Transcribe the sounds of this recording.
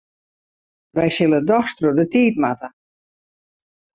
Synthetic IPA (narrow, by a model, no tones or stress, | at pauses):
ʋɛjsɪlˠədɔxstrudətiːtmatə